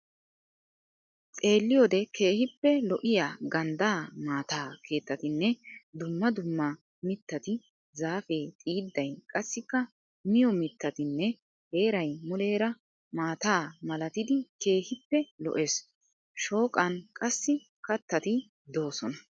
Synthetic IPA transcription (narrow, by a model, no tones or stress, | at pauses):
t͡sʼe̞ːlːɪjoːd̪ɛkʰe̞ːhɪpːɛlɔʔɪjaːɡɐnd̪aːmaːt̪aːkʰe̞ːt̪ːɐt̪ɪnːɛd̪ʊmːɐd̪ʊmːɐ | mɪt̪ːɐt̪ɪ | zaːfe̞ːt̪ʼiːd̪ːɐjkʼɐsːɪkːɐ | mɪjɔmɪt̪ːɐt̪ɪnːɛ | he̞ːɾɐjmɔle̞ːɾɐ | maːt̪aːmɐlɐt̪ɪd̪ɪke̞ːhɪpːɛlɔ̰ʔeːs | ʃo̞ːkʼɐnkʼɐsːɪ | kɐt̪ːɐt̪ɪ | d̪o̞ːsɔnɐ